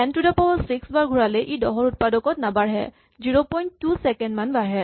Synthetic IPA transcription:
ɛntudapɔwɔsiksbaɹɡʱuɹalɛʔidɔ̰ɦɔɹut̚padɔkɔtnabaɹɦɛ̰ | ziɹopɔjnːusɛkɛndmanbaɹɦɛ

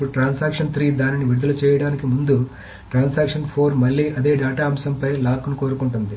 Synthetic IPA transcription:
uɽʈɾaːnsaːkʂɐnt̪ʰɾiːd̪aːniniʋiɾud̪ɐlɐt͡ʃɛːjɐɽaːnikimund̪u | ʈɾaːnsaːkʂɐnpʰoːɾmɐɭːiːʔɐd̪e̞ːɖaːʈaːɐmsɐmpɐjlaːkunuko̞ːɾukuɳʈund̪i

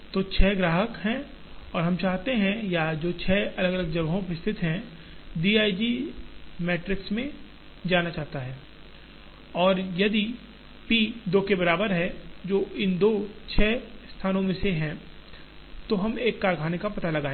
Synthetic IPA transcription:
t̪oːt͡ʃʰɛːɡɾaːɦəkɦɛ̃ | ɔːɾɦɐmt͡ʃaːɦt̪eɦɛ̃jad͡ʒoːt͡ʃʰɛːɐləɡələɡ̚d͡ʒɐʋɦõpɾɪst̪ʰɪt̪ɦɛ̃ | ɖiːaːid͡ʒi | mɛːʈɾɪksmẽ | d͡ʒaːnat͡ʃaːɦt̪aɦɛː | ɔːɾjɐd̪i | piːd̪oːkebɐɾaːbəɾɦɛd͡ʒoːʔɪnd̪oːt͡ʃʰɛːst̪ʰaːnõmẽseɦɛ̃ | t̪oɦɐmeːkːaːɾɡʱaːnekapɐt̪alɐɡaːẽ

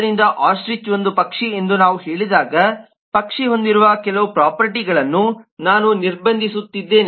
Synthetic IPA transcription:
ɾind̪ɐʔaːsʈɾit͡ʃʋo̞nd̪upɐkʂie̞nd̪unaːʋuɦeːɭid̪aːɡɐ | pɐkʂiɦo̞nd̪iɾuʋɐkɛlɐʋupɾaːpɐɾʈiɡɐɭɐnːunaːnuniɾbɐnd̪ʱisut̪ːid̪ːe̞ːn

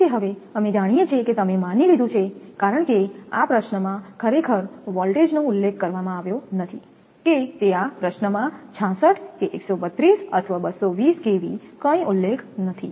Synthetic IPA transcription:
keɦəʋeəmed͡ʒaɽ̃ijet͡ʃʰeket̪əmemanilid̪ʱũt͡ʃʰekaɾəɳkea̰pɾəʃnəmãkʰəɾekʰəɾʋɔlʈed͡ʒnoʊlːekʰːəɾʋamãaʋjonət̪ʰi | ket̪eapɾəʃnəmãt͡ʃʰãsəʈʰkeʔeksobət̪ɾisə̰t̪ʰəʋabəsoʋiskeʋikə̃ĩʔʊlːekʰnət̪ʰḭ

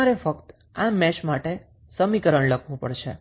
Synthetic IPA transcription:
aɾefəkt̪ | amɛʃmaʈe | səmikəɾəɳləkʰʋũpə̰ɽʃḛ

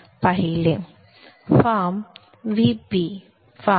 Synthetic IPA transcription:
pɐɦili | fam | ʋibi | fa

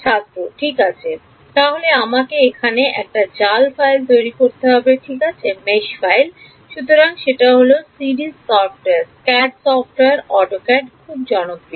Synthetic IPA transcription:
ʃʰast̪ɾoʈʰikat͡ɕʰe | t̪aɦoleamakeekʰaneʔɛ̰k̚ʈad͡ʑalfajlt̪ojɾikoɾt̪eɦɔbeʈʰikat͡ɕʰemeʃfajl | ʃut̪oɾaŋʃeʈaɦolosiɖisɔfʈeɾskɛɖsɔfʈoweaɾɔʈokɛɖkʰub̚d͡ʑɔnokɾi

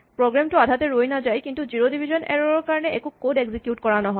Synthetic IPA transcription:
pɹoɡɹamtuadʱatɛɹojnazajkintuziɹodibʱizɔnɛ̰ɹɔɹɔɹkaɹɔnɛɛkukodɛɡzikjutkɔɹanɔɦɔ

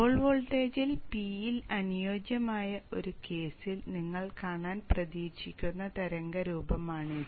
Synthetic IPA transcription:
oːɭʋoːɭʈːe̞ːd͡ʑilpiːjilɐnujo̞ːd͡ʑjɐmaːjɐo̞ɾuke̞ːsilniŋːɐɭkaːɳaːnprɐðiːɕikʲːunːɐt̪ɐɾɐŋɡɐɾuːbɐmaːɳɨ

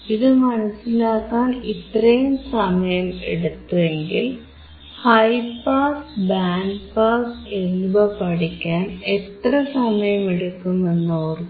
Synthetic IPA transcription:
iðɨmɐnɐsːilaːkːaːnit̪rɐjumsɐmɐjɐmḛɽut̪ːue̞ŋɡil | hɐjpaːsbaːnpaːsennːubɐpɐɽikʲːaːnet̪rɐsɐmɐjɐmeɽukːumenːoːr

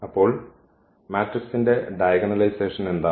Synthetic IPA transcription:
ɐpːo̞ːɭ | maːʈriksinde̞ɖɐjɐɡɐnɐlɐjseːʂɐne̞nd̪aː

